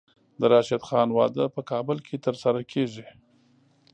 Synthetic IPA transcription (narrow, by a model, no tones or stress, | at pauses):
d̪əɾɑʃɪd̪xɑnwɑ̰d̪əpəkɑbəlkʰet̪əɾsaɾakʰeʐi